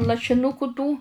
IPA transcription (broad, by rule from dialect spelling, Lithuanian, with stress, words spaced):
lˠɐʃʲɪˈnʊkʊ tuː